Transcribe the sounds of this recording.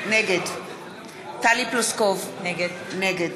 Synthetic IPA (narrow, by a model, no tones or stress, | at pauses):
neɡɛd | t̪aliplɔskɔv | neɡəd